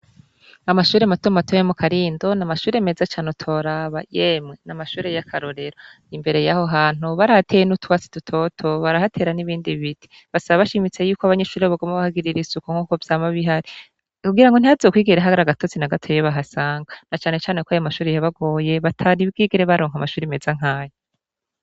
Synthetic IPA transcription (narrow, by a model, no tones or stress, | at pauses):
amaʃuːɾe̞matomatʰojemukʰaɾiːndo̞namaʃuːɾeme̞zat͡ʃaːnotʰo̞ɾaβajemŋenamaʃuːɾe̞jakʰaɾo̞ɾe̞ɾo | imbe̞ɾe̞jaho̞ɦaːn̥uβaɾahatʰe̞jenutwaːt͡si̥tutʰo̞tʰo̞βaɾahatʰe̞ːɾaniβiːndiβitʰi̥ | βasaβaβaʃimit͡se̞juːkoaβaɲeʃuːɾeβaɡomaβahaɡiɾiɾisukoŋ̥uːko̞vjaːmaβiɦaɾi | kuɡiɾaŋɡon̥iazoːkwiːɡeɾeɦaɡaɾaɡato̞t͡sinaɡatʰojeβaɦasaːŋɡanat͡ʃaːne̞t͡ʃaːnekoajomaʃuːɾejaβaɡo̞ːje̞βatʰaɾibɡiːɡeɾeβaɾo̞ːŋhamaʃuːɾeme̞zaŋ̥aːje